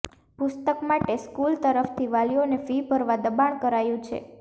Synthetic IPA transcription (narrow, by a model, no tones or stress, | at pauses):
pʊst̪əkmaʈeskult̪əɾəft̪ʰiʋalijonefibʱəɾʋad̪əbaɳ̃kəɾajũt͡ʃʰḛ